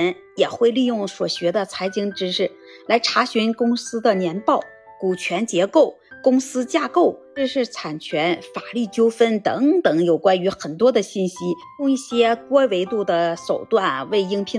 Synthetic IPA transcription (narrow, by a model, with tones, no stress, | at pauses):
n | jɛ˨˩xwe˥˧ɪli˥˧jʊ˥˩ŋswɔ˨˩ɕɥɛ˧˥d̪ə˧t͡sʰa˧˥ɪt͡ɕi˧˥ŋʈ͡ʂɻ̩˥ʂɻ̩˥˩ | la˧˥ɪʈ͡ʂʰa˧˥ɕy˧˥nkʊ˥ŋsɹ̩˥d̪ə˨njɛ˧˥npɑ˥˩ʊ | ku˨˩t͡ɕʰɥɛ˧˥nt͡ɕjɛ˧˥ko˥˩ʊkʊ˥ŋsɹ̩˥t͡ɕja˥˧ko˥˩ʊʈ͡ʂ̩˥˧ʂɻ̩˥˩t͡sʰa˨˩nt͡ɕʰɥɛ˧˥nfa˨˩ly˥˩t͡ɕjo˥ʊfə˥nt̪ɤ˧˥ŋt̪ɤ˨˩ŋjo˨˩ʊkwa˥ny˧˥xə˨˩nt̪wɔ˥d̪ə˨ɕi˥˩nɕi˥jʊ˥˧ŋi˥˩ɕjɛ˥t̪wɔ˥we˧˥ɪt̪u˥˩d̪ə˩ʂo˨˩ʊt̪wa˥˩nwe˥˩ɪi˥ŋpʰi˥